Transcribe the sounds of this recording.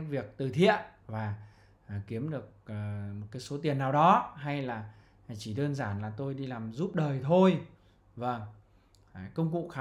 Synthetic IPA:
vi˨˩ək̚t̪ɨ˨˩t̪ʰḭ˧˨ənvaː˨˩˨ | ki˨˦əmɗɨ˨˩ək̚ːmo˨˩t̚kaː˨˦jso˨˦t̪̬i˨˩ənːaː˨˩wɗɔ˨˦ɦa˧jlaː˨˩ | t͡ɕi˧˩ɗəː˧nzaː˧˩nlaː˨˩t̪o˧jɗi˧laː˨˩mzu˦˥p̚ɗəː˨˩jt̪ʰo˧j | və˧˩ŋ˩ | kə˧wŋ͡mkṵ˧˨xaː˨˧

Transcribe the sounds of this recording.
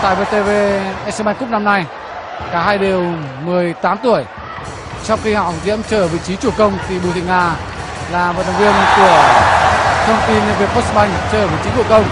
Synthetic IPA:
t̪a̰ː˧˨jve˧t̪e˧ve˧ʔɛ˦˧sə˧ɓa˧ŋ̟kʊ˦˥k͡p̚na˧mna˧j | kaː˧˩haː˧jɗi˨˩əwmɨ˨˩əjt̪aː˨˦mt̪u˧˩əj | t͡ɕɔ˧wŋ͡mxi˧ha˧˨˩zḭ˧˥əmt͡ɕəː˧˩vḭ˧˨t͡ɕi˨˦t͡ɕu˧˩əkə˧wŋ͡mt̪ʰi˨˩ɓu˧˨t̪ʰḭ˧˨ŋaː˧˩ | laː˨˩mo˨˩t̚na˨˧˩wŋvi˧ənku˧˩ə | t̪ʰə˧wŋ͡mt̪i˧nve˨˩po˦˥s̚ɓa˧jŋ̟t͡ɕəː˧˩vḭ˧˨t͡ɕi˨˦t͡ɕu˧˩əkə˧wŋ͡m

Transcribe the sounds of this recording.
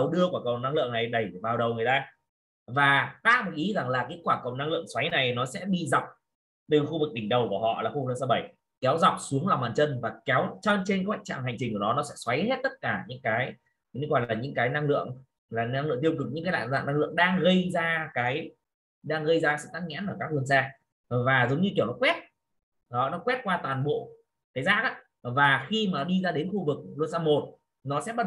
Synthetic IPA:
ə˨wɗɨ˧əku˧˩kə˨˩wna˧ŋlɨ̰˧˨əŋna˨˩jɗə˨˩jvaː˨˩wɗə˨˩wŋɨ˨˩əjt̪aː˧ | vaː˨˩t̪aː˦˥k̚ma˨˩ʔi˨˦za˨˩ŋlaː˨˩ka˨˦t̚kwaː˧˩kə˨˩wna˧ŋlɨ̰˧˨əŋswa˨˦jna˨˩jnɔ˨˦sɛ̰˧˥ɓḭ˧za˨˩k͡p̚ | t̪ɨ˨˩xu˧vɨ˨˩k̚ɓï˨˩ŋ̟ɗə˨˩wku˧˩əhɔ̰˧˨laː˨˩xu˧vɨ˩k̚ə˧sə˨˦ɓə˧˩j | kɛ˨˦wza˨˩wk͡p̚su˨˦əŋla˨˩wm˨aː˧˨˩nt͡ɕə˧nvaː˨˩kɛ˨˦wt͡ɕɔ˧t͡ɕe˧nkaː˨˦wa̰˧˨ŋt͡ɕa̰ː˧˨ŋha˨˩jŋ̟t͡ɕi˨˩ŋku˧˩nɔ˨˦nɔ˨˦sɛ̰˧˥swa˨˦jhe˦˥t̚t̪ə˦˥t̚kaː˧˩ɲɨ̰˧˥ŋkaː˨˦j | ɣɔ˧˩jlaː˨˩ɲɨ̰˧˥ŋkaː˨˦jna˧ŋlɨ̰˧˨əŋ | laː˨˩na˧ŋlɨ̰˧˨ŋt̪i˧wkɨ˨˩ɲɨ̰˧˥kaː˨˦la̰ː˧˨zaː˧˨na˧ŋlɨ̰˧˨əŋɗaː˧ŋɣə˧jzaː˧kaː˨˦j | ɗaː˧ŋɣə˧jzaː˧ka˨˦sɨ̰˧˨t̪aː˦˥t̚ŋɛ̰˧˥nʔəː˧˩kaː˦˥k̚lu˧ənsaː˧ | vaː˨˩zə˨˦wŋ͡mɲɨ˧ki˧˩əwnɔ˨˦kwɛ˦˥t̚ | ɗɔ˨˦nɔ˨˦kwɛ˦˥t̚kwaː˧t̪waː˨˩nɓo̰˧˨ | kaː˨˦jzaː˦˥k̚a̰˧˦˥ | vaː˨˩xi˧maː˨˩ɗi˧zaː˧ɗe˨˦nxu˧vɨ˨˩k̚lu˧ənsaː˧˩mo˨˩t̚ | nɔ˨˦sɛ̰˧˥ɓa˦˥

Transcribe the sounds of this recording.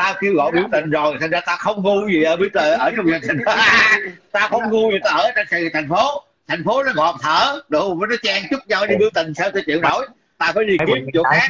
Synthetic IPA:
t̪aː˧ki˧əwɣɔ̰˧˨jɓi˧˩əwt̪ï˨˩ŋ̟zo˨˩jt̪ʰa˨˩ŋ̟zaː˧t̪aː˧xə˧wŋ͡mŋu˧zi˨˩ʔəː˨˦ɓi˧˦ət̪əː˨˩ʔəː˨˦t͡ɕɔ˧wŋ͡mzə˨˩nt̪ʰï˨˩ŋ̟˨˧t̪aː˧xə˧wŋ͡mŋu˧vi˨˩t̪aː˧ʔəː˧˩˧t͡ɕɔ˧tt̪ʰa˨˩jŋ̟fo˨˦ | t̪ʰa˨˩jŋ̟fo˨˦nɔ˨˦mɔ˨˩p̚t̪ʰəː˧˩ɗo˨˩vaː˨˦nɔ˨˦t͡ɕaː˧ŋt͡ɕʊ˦˥k͡p̚ɲa˨˧˩ɗi˧ɓɨ˧ət̪ï˨˩ŋ̟saː˧wt͡ɕɔ˧˩t͡ɕḭ˧˨ənno˧˩˦j | t̪aː˧faː˨˦jɗi˧ki˧˨˩t͡ɕo̰˧˨˦xaː˦˥

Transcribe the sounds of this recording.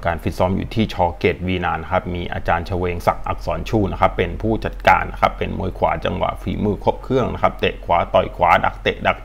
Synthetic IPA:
kaː˧nfi˦t̪̚sɔː˦˥mjṵː˨˩t̪ʰiː˥˩t͡ɕʰɔː˧˥ke˨˩t̪̚wiː˧naː˧nːa˦˥kʰa˦˥p̚miː˧ʔa̰ː˧t͡ɕaː˧nt͡ɕʰa˧weː˧ŋsa˨˩k̚ʔa̰˨˩k̚sɔː˩˦nt͡ɕʰuː˥˩na˦˥kʰa˦˥pːe˧npʰuː˥˩t͡ɕa˨˩t̪̚ka̰ː˧nːa˦˥kʰa˦˥pːe˧nmṵ˧əjkʰwa̰ː˩˦t͡ɕa̰˧ŋwa̰˨˩ʔfiː˩˦mɯː˧kʰo˦˥p̚kʰɯ˥˩əŋna̰˦˥kʰa˦˥p̚t̪e˨˩ʔkʰwaː˩˦˥t̪ɔ˨˩jkʰwaː˨˦da̰˨˩k̚t̪e˨˩ʔda˨˩k̚

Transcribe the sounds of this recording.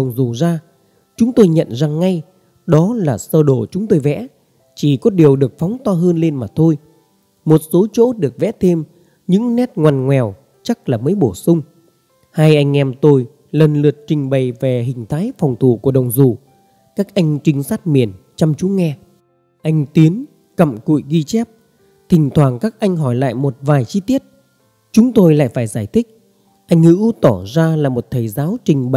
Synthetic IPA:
ə˨˩wŋ͡mzu˨˩zaː˧ | t͡ɕʊ˨˦ŋ͡mt̪o˧jɲə̰˧˨nza˨˩ŋːa˧j | ɗɔ˨˦laː˨˩səː˧ɗo˧˩t͡ɕʊ˨˦ŋ͡mt̪o˧jvɛ̰˧˥ | t͡ɕi˧˩kɔ˨˦ɗi˨˩əwɗɨ˨˩ək̚fɔ˨˦wŋ͡mt̪ɔː˧ɦəː˧nle˧nmaː˨˩t̪ʰo˧j | mo˨˩t̚so˨˦t͡ɕo̰˧˥ɗɨ˨˩ək̚vɛ̰˧˥t̪ʰe˧m | ɲɨ̰˧˥ŋnɛ˦˥t̚ŋwaː˨˩nŋwɛ˨˩w | t͡ɕa˦˥k̚laː˨˩məː˨˦jɓo˧˩sʊ˧ŋ͡m | haː˧jʔa˧jŋ̟ʔɛ˧mt̪o˧j | lə˨˩nlɨ˨˩ət̚t͡ɕï˨˩ŋ̟ɓə˨˩jve˨˩ɦï˨˩ŋ̟t̪ʰaː˨˦jfɔ˨˩wŋ͡mt̪ʰu˧˩ku˧˩əɗə˨˩wŋ͡mzu˨˩ | kaː˦˥k̚ʔa˧jŋ̟t͡ɕï˨˦ŋ̟saː˦˥t̚mi˨˩ən | t͡ɕɔ˧wŋ͡mt͡ɕu˨˦ŋɛ˧ | ʔa˧jŋ̟t̪i˨˦ən | kə̰˧˨mkṵ˧˨jɣi˧t͡ɕɛ˦˥p̚ | t̪ʰï˨˩ŋ̟t̪ʰwaː˨˩ŋkaː˦˥k̚ʔa˧jŋ̟ɦɔ˧˩jla̰ː˧˨jmo˨˩t̚vaː˨˩jt͡ɕi˧t̪i˦˥ət̚ | t͡ɕʊ˨˦ŋ͡mt̪o˧jla̰ː˧˨jfaː˧˩jzaː˧˩jt̪ʰï˦˥k̚ | ʔa˧jŋ̟hɨ̰˧˥t̪ɔ˧˩zaː˧laː˨˩mo˨˩t̚t̪ʰəː˨˩jzaː˨˦wt͡ɕï˨˩ŋ̟ɓ

